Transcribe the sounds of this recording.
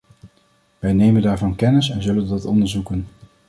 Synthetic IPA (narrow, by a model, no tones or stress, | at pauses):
ʋɛjnejməndaːɹvɑnkɛnɪsɛnzɵləndɑtɔ̰ndəɹzukən